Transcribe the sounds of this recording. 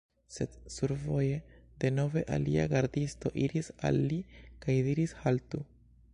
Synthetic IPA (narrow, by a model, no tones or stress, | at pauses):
se̞d̪suɾvo̞je̞d̪e̞no̞ve̞ʔa̰liaɡaɾd̪ist̪o̞ʔiɾisa̰lːikajd̪iɾishalt̪u